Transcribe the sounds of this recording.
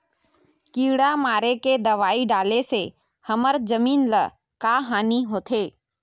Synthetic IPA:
kiːɽamaːɾeked̪ɐʋaːiɖaːlese | hɐməɾd͡ʒɐmiːnlə | kaːɦaːniɦoːt̪ʰeː

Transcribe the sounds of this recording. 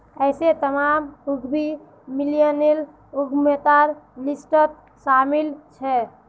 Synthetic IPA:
əɪset̪əmamuɡbi | milijənel | uɡmet̪aɾlisʈət̪̚ | samilt͡ʃʰɛ

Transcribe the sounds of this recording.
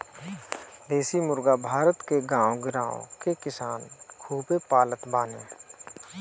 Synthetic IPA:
d̪eːsimʊɾɡabʱaːɾət̪keɡãːõɡɪɾãːõ̰kekɪsaːnkʰuːpepaːlət̪baːnḛː

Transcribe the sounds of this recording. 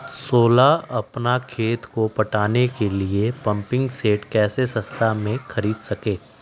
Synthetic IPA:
soːlaɐpnakʰeːt̪kopɐʈaːnekeliepɐ̃mpɪ̃ŋɡseːʈkɛːsesɐ̃st̪ʰamẽxɐɾiːd̪sɐkeː

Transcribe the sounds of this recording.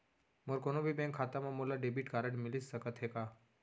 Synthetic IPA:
moɾkonobʱibɛ̃ŋkʰːaːt̪amãmolaɖebiʈkaːɾəɖmɪlissəkət̪ɦekaː

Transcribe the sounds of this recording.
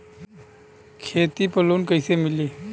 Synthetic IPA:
kʰet̪ipəluːnkəjsemiliː

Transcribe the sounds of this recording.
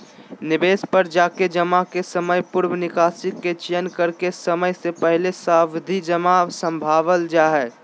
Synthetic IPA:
nɪbeːspɐɾd͡ʒaːked͡ʒəmakesəməjpʊɾʋənɪkaːsɪkːet͡ʃijənkəɾkesɐməjsepɛɦlesaːwd̪ʱid͡ʒəmasə̃mbʱaːʋəld͡ʒaːɦɛː

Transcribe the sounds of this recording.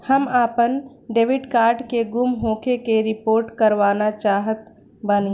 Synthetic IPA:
həmaːpən | ɖeːʋɪɖkaːɾɖkeɡumɦõːkʰekeɾɪpoːɾʈkəɾʋaːnat͡ʃaːɦət̪ | bən

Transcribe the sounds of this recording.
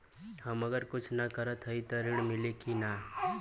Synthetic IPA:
həməɡəɾkʊt͡ʃʰnakəɾət̪ʰɦəit̪ɔɾiɽmɪlekina

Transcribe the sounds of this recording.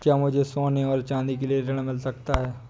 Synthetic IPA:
kjaːmʊd͡ʒʱesoːnẽɔːɾt͡ʃãːnd̪ikelieɾɪɽ̃mɪlsɐkt̪aɦɛː

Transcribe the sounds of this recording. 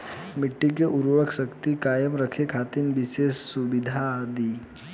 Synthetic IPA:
mɪʈːik̬eʔuɾʋəkʃəkt̪ikaːjəmɾəkʰekʰat̪inʋiseːssubid̪ʱad̪iː

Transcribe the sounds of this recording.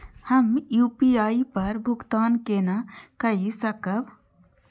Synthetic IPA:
həmjuːpiaːipɐɾbʱʊkt̪aːnkenakəisəkəb

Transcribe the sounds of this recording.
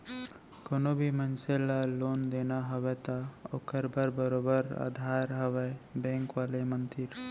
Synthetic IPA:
konobʱimənselalond̪enaɦəʋɛt̪aokəɾbəɾbəɾobəɾa̰d̪ʱaɾɦəʋɛbɛ̃ŋkʋalemənt̪iɾ

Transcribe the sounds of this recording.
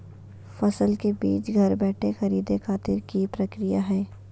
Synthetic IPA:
fɐsəlkebiːt͡ʃɡʱɐɾbɛːʈʰexɐɾiːd̪exaːt̪ɪɾkipɾɐkɾɪjaɦɛː

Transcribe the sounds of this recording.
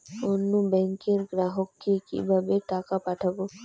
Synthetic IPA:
onːubɛ̃ŋkẽɾɡɾaɦokːikḭbabeʈaːkapaʈʰabo

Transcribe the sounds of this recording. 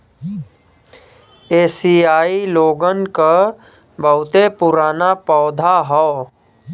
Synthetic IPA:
eːsiaːiloːɡənka | bəʊt̪epʊɾaːnapɔːd̪ʱaɦɔː

